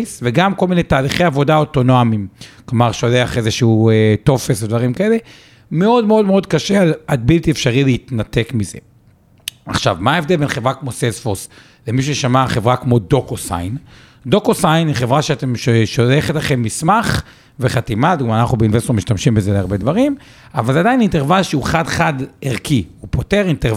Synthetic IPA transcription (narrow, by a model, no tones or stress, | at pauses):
sveɡamko̞lminejtaːliχe̞javo̞daoto̞nomimklomaʁʃo̞leaχe̞zeʃuueto̞fesved̪vaʁimkae̞le̞ | me̞o̞dmeo̞dmeo̞d̪kaʃealat̪̚bilt̪iefʃaʁileit̪nat̪e̞kmizḛ | a̰χʃa̰vmaevd̪elbe̞nχe̞vʁakmo̞sesfos | lemiʃ̬eʃamaχe̞vʁakmo̞do̞kosa̰jn | d̪o̞kosajniχe̞vʁaʃeate̞mʃeʃoleχetlaχe̞mːismaχ | veχat̪imad̪uɡmanaχnubeinve̞st̪omiʃtamʃimbezeleaʁbe̞d̪vaʁim | avalzead̪ainintevalʃeuχadχad̪eʁkiupoteʁint̪e